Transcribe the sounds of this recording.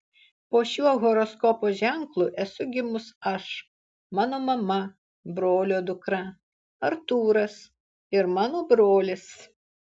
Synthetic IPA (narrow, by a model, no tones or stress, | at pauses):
poːʃʲuɔɣɔɾɔskɔpoːʒʲæŋklˠuːʔɛsʊɡʲɪmʊsɐʃ | mɑːnoːmɐmɐ | bɾoːlʲoːd̪ʊkɾɐ | ɐɾt̪uːɾɐs | ɪɾmɑːnoːbɾoːlʲɪs